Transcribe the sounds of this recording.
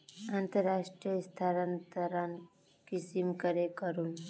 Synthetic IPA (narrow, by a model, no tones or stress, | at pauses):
ant̪əɾːaʂʈɾijəst̪ʰaɾənt̪əɾan | kisimkəɾekəɾun